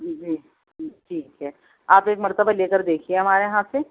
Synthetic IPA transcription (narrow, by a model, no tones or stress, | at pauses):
d͡ʒiː | ʈʰiːkɦɛː | aːpeːkmɐɾt̪əbaleːkəɾd̪eːkʰieɦɐmaːɾeɦãse